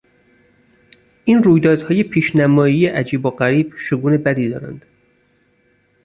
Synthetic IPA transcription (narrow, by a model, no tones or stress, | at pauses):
ʔiːnɾuːjd̪ɒːd̪̥hɒːje̞pʰiːʃnæmɒːiːjeʔæd͡ʒiːboɢæɾiːb̥ʃoɡuːnebæd̪iːd̪ɒ̰ːɾæ̰nd̪̥